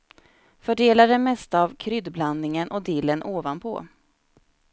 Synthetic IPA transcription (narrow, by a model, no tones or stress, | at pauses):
fœɖeːladɛmɛst̪aːvkʰɾʏd̪bland̪ɪŋənʔɔd̪iːlːənʔoːvanpʰɔ̰